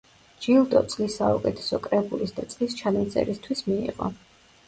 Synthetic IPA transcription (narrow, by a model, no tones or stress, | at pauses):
d͡ʒilˠd̪ʼɔt̪sʼlisːaukʼɛt̪ʰɛ̥sɔkʼɾɛbulisd̪at̪sʼlist͡ʃʰanant̪sʼɛ̰ɾist̪ʰwismiḭʁɔ̰